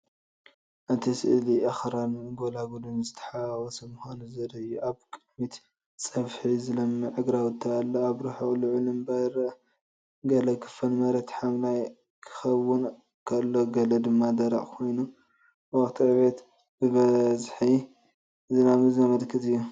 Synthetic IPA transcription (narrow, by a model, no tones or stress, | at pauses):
ʔɨt̪ʰisɨʔliaxɾanɡolaɡulunzɨt̪ʰɐ̥ħawɐsɨmɨxonuzɐɾɐjːuʔaβkʼɨdmit̪ | t͡sʼɐβħizɨlɐmːɐʕɨɡɾawɨt̪ʰːaalːoaβɾuħoʔʼluʕʊlɨmbɐɾ | ɡɐlɐkʰɨ̥fɐnmɐɾɐt̪ħamlaj | kʰɨ̥xɐwːɨn | kʰɐlːo̞ɡɐlɐd̪ɨmːad̪ɐɾaʔʼkʰo̞jnu | wɔχʼt̪ʰʕβet̪ | bɨβɐzħi | zɨnamɨzamɐlkʰɨt̪ɨjːu